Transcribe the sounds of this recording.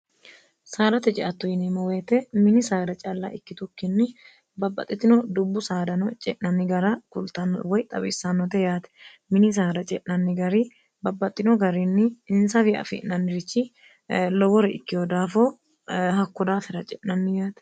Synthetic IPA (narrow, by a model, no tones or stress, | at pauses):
saːɾɐt̪ɛt͡ʃʼɪʔɐt̪ːʊjɪnimɐweːt̪ɛmɪnɪsaːd̪ɐt͡ʃʼaːlːa̰ːʔɪkːɪt̪ʊkːɪnːɪ | bɐbːɐ̰t̪ʼːɪt̪ːɪnod̪ʊbːʊsaːd̪ɐnɔt͡ʃʼɛ̰ʔnɐnːɪɡɐɾakʊlt̪ɐnwɔjt̪ʼɐbɪsːanːɔt̪ɛjaːt̪ɛ̥ | mɪnɪs̬aːd̪ɐt͡ʃʼɛʔnɐnːɪɡɐɾiː | bɐbːɐt̪ʼːɪnɔɡɐɾinːɪɪnsɐfɪɐ̰fɪ̰ʔnɐnːɪɾɪt͡ʃːɪ | lɔwɔɾɛɪkːɪwɔd̪aːfoː | hɐkːʊd̪aːfɪɾɐt͡ʃʼɛ̰ʔnɐnːɪjaːt̪ɛ̥